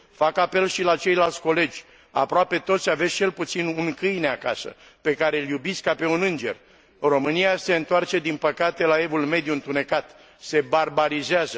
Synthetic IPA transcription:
fakape̞lʃilat͡ʃe̞jlalt̪sʲko̞le̞d͡ʒʲ | a̰pɾoape̞t̪o̞t̪save̞st͡ʃe̞lput̪sinuŋkɨjneakasə̰ | pe̞kaɾe̞ɨljubiskkape̞unɨnd͡ʒe̞̰r | ro̞mɨniase̞ɨnt̪oart͡ʃe̞d̪inpəkat̪e̞lae̞vulme̞d̪juɨnt̪une̞kat̪ | se̞barbaɾizeazə

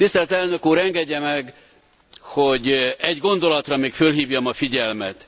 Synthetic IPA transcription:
t̪ist̪ɛlt̪ɛlnø̞kuːɾɛŋɡɛɟːɛmɛɡ | ho̞ɟɛɟɡo̞nd̪o̞lɒt̪rɒmeːkfølɦiːvjɒmɒfiɟɛlmɛt̪

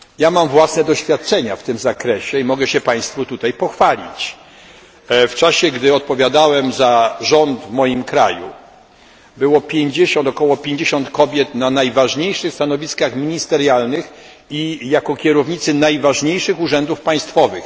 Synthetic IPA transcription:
jamamvwasnɛd̪ɔɕfʲjat̪̚t͡ʂɛɲaft̪ɘmzakɾɛɕɛimɔɡɛɕɛpaj̃st̪fut̪ut̪ajpɔxfalʲḭt͡ɕ | ft͡ʂaɕɛɡd̪ɘɔt̪̚pɔvʲjad̪awɛmzaʐɔnd̪vmɔjimkɾa̰jṵ | bɘwɔpʲjeɲd͡ʑeɕɔ̃nt̪ɔkɔwɔpʲjeɲd͡ʑeɕɔnt̪kɔbʲjɛt̪nanajvaʐɲejʂɘxst̪anɔvʲiskaxmʲiɲist̪ɛɾjalnɘx | ijakɔkʲɛɾɔvɲit̪sɘnajvaʐɲejʂɘxuʐɛnd̪ufpaj̃st̪fɔvɘx

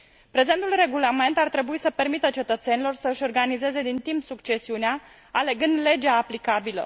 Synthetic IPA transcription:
pɾe̞ze̞nt̪ulre̞ɡulame̞nt̪art̪ɾe̞buisəpe̞rmit̪ət͡ʃe̞t̪ət̪se̞nilo̞rsəɨʃʲo̞rɡanize̞ze̞d̪int̪impsukt͡ʃe̞siunea | ale̞ɡɨnd̪le̞d͡ʒeaːplikabilə̰

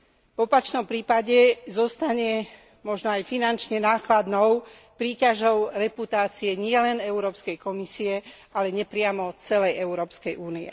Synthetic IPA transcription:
vɔpat͡ʃnɔmpɾiːpaɟɛzɔst̪aɲɛ | mɔʒnɔajfinant͡ʃɲɛnaːklad̪nɔʊ | pɾiːcaʒɔʊɾɛput̪aːt͡siɛɲɪɛlɛnɛʊuɾɔːpskɛjkɔmisiɛ | alɛɲɛpɾɪamɔt͡sɛlɛjɛuɾɔːpskɛjʔuːniɛ̰

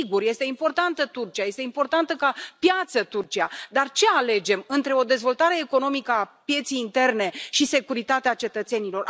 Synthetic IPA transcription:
iɡurje̞st̪eimpo̞rt̪ant̪ət̪urt͡ʃiaje̞st̪eimpo̞rt̪ant̪əkapjat̪sət̪urt͡ʃiad̪art͡ʃe̞ale̞d͡ʒe̞mɨnt̪ɾe̞o̞d̪e̞zvo̞lt̪aɾe̞ːko̞no̞mikəapje̞t̪sijːnt̪e̞rne̞ʃise̞kuɾit̪at̪eat͡ʃe̞t̪ət̪se̞nilo̞r

